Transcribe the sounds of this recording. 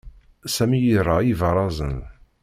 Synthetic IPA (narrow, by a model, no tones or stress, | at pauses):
sæmijərˤːɑivəɾˤɑzˤə̰n